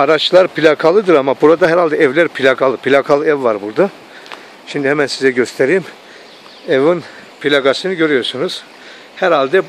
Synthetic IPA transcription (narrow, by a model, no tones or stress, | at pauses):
aɾat͡ʃlˠaɾpʰilʲakʰalˠɯd̪ɯɾamabuɾad̪aɦɛɾalʲd̪ɛɛvlʲæɾpʰilʲakʰalˠɯpʰilʲakʰalˠɯɛvːaɾbuɾd̪a | ʃimd̪ihɛmænsizɛɟøst̪ʰeɾijːm | ɛvɯn | pʰilʲaɡasɯnɯɟø̞ɾyjo̞ɾsunuz̥ | hæɾalʲd̪ɛ